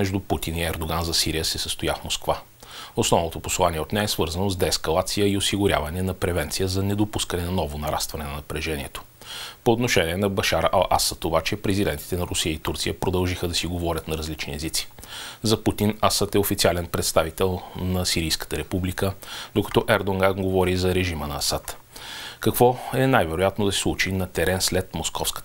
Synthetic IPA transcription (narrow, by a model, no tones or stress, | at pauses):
mɛʒd̪uput̪iniɛɾd̪oɡanzɐsiɾijəsɛsəst̪ojafmoskva | osnɔvnot̪oposlˠaniɛot̪nɛɛsvɤɾzənozd̪ɛːskɐlˠat̪sijəiosiɡʊɾʲja̰vɐnɛnɐpɾɛvɛnt̪sijəzɐnɛd̪opuskənɛnɐnɔvonɐɾa̰st̪vɐnɛnɐnɐpɾɛʒɛniɛt̪o̥ | poːt̪noʃɛnʲiɛnɐbɐʃaɾəʔɐlˠʔa̰sət̪obat͡ʃɛpɾɛzid̪ɛnt̪i̥t̪ɛnɐɾʊsijəit̪uɾt̪sijəpɾod̪ɐlˠʒixəd̪ɐsiɡovɔɾʲət̪nɐɾɐzlit͡ʃniɛzit̪si̥ | zɐput̪inasat̪ɛofit̪sialɛnpɾɛt̪st̪avit̪ɛlˠnɐsiɾijskə̥t̪əɾɛpublikəd̪okɐ̥t̪ɔʔɛɾd̪oŋɡaɡovɔɾizɐɾɛʒimənɐːsat̪ | kɐkvɔɛnajvɛɾojat̪nod̪ɐsɛ̥slˠut͡ʃinɐt̪ɛɾɛnslɛt̪moskɔfskə̥